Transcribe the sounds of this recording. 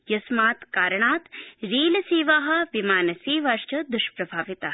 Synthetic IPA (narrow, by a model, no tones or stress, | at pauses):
jɐsmaːt̪kaːɾɐɳaːt̪ɾiːlɐsiːʋaːɦɐ̆ʋimaːnɐsiːʋaʃt͡ʃɐd̪uʃpɾɐbʱaːʋit̪aː